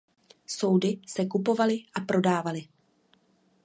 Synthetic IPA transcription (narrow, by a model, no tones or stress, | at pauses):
so̞wdɪsɛkupo̞valɪʔapɾo̞daːvalɪ